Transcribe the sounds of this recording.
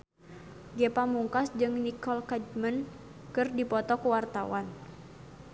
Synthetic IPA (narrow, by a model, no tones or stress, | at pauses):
ɡɛpamuŋkasd͡ʒɨŋnikɔlkad͡ʒmən | kɨrdipɔt̪ɔkuwart̪a̰wan